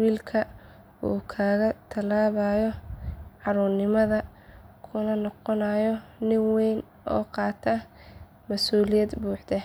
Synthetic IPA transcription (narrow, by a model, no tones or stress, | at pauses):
wiːlkʰɐ | ṵːkʰaːɣɐt̪ʰɐlaːβɐjɔʕɑɾuːrnɪmɐðɐ | kʰʊnɐnɔqɔnajɔnɪŋwɛjn | ɔ̰ːqɑːt̪ʰɐ | mɐsuːlɪjɐd̪buːħd̪ɛ